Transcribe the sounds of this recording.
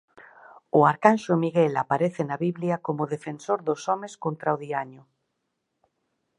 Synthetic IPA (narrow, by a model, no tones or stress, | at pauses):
oaɾkanʃomiɣelapaɾeθenaβiβljakomoðefensoɾðosomeskont̪ɾaoðiaɲo